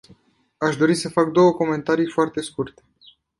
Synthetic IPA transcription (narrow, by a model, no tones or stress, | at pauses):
aʃd̪o̞ɾisəfak̚d̪o̞wəko̞me̞nt̪aɾijfoart̪e̞skurt̪e̥